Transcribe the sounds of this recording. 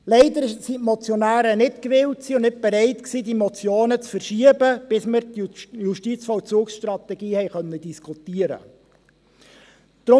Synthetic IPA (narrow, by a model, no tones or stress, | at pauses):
lɛɪd̪əɾɪʃsitmɔt͡sjɔnæːɾənɪtkʋɪlt̚ksiːʊnnɪt̚b̥ɛɾɛɪt̪ksiːdimɔt͡sjoːnət͡sfəɾʃiəbəb̥ɪsməɾt̪juʃtit͡sfɔwt͡suːksʃtɾɑt̪ɛɡiːhɛɪχœnːədiskʰutiəɾə̰ | d̪̥ɾʊ